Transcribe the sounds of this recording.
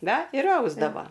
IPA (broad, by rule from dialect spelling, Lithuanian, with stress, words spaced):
ˈnɐ ɪr ˈɐʊzdɐʋoː